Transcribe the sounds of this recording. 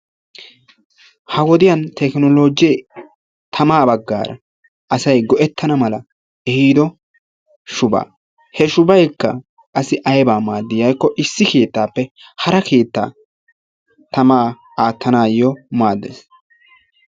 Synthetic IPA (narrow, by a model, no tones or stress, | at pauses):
hɐwɔd̪ɪjɐnt̪ʰɛknɔlo̞ːd͡ʒ | t̪ʰɐmaːbɐɡːa̰ːɾɐ̰ | ʔɐsɐjɡɔʔɛt̪ːɐnɐmɐlɐ | ɛhiːd̪ɔ | ʃʊba̰ː | hɛʃʊbɐjkːɐ̰ | kʼɐsɪʔɐjbaːmaːd̪ːɪjɐjkːɔʔɪsːɪkeːt̪ːaːpːɛ | hɐɾɐkʰeːt̪ːa̰ː | t̪ɐmaː | aːt̪ːɐnaːjɔmaːd̪ːḛːs